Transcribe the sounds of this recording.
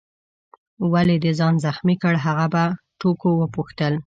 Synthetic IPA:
waled̪əzɑnzaxmikəɽɦaɣaba | ʈokowəpuxt̪əl

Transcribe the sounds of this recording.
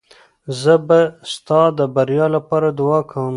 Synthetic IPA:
zəbast̪ɑd̪əbaɾjɑlapɑɾad̪ʊwɑkʰawəm

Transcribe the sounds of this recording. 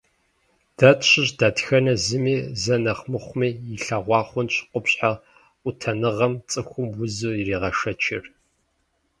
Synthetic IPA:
d̥aːtʰɕɪʑdaːtxɐnɐzɨmiːzɐnɐχmɨχʷʊmiːjɪɬɐʁʷɑːχʷʊnɕqʷʊpɕħa | ʔʷʊtʰɐnɨʁɐmt͡sʼɨxʷʊmwʊzɨiriːʁɐʂɐt͡ʃʰɪr

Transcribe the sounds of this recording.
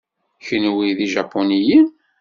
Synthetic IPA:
çənwiðiʒapːonijən

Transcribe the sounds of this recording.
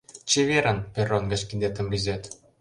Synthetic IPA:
t͡ɕeβeɾənpʲeronɡət͡ɕkind̪et̪ə̆mrʲizʲet̪

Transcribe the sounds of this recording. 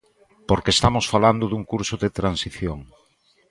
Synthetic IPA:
poɾkest̪amosfaland̪ʊðuŋkuɾsʊðet̪ɾansiθjoŋ

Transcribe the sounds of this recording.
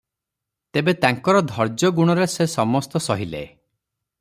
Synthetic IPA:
t̪ebet̪aŋkɔɾɔd̪ʱɔɾd͡ʒjɔɡuɽ̃ɔɾesesɔmɔst̪ɔsɔɦilḛ

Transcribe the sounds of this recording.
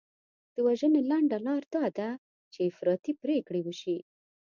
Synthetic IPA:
d̪̥əwaʒənelaɳɖalɑɾd̪̥ɑd̪a | t͡ʃeɪfɾɑt̪ipɾekɽewəʃi

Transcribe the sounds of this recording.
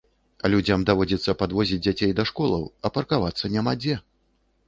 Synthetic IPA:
ɐlʲud͡zʲamd̪avɔd͡zʲɛt̪sːɐpad̪vɔzʲid͡zʲd͡zʲat͡sʲejd̪ɐʂkɔlˠɐ̰wɐpɐrkavat̪sːɐnʲamad͡zʲɛ

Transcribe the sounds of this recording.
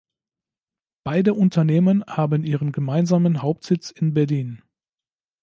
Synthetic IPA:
b̥aɪdəʔʊntʰɐneːmənhaːbənʔiːʁ̞ənɡəmaɪnzaːmənɦaʊp̚tz̥ɪt͡sɪnbɛɐliːn

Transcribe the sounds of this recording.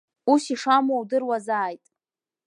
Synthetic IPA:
usiʂamowdɨrwazaːjtʼ

